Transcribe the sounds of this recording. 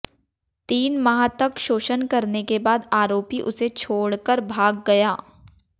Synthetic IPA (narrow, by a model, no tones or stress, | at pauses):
t̪iːnmaɦt̪ɐkʃoːʃənkɐɾnekebaːd̪aːɾoːpiʔʊset͡ʃʰoːɽkəɾbʱaːɡːɐjaː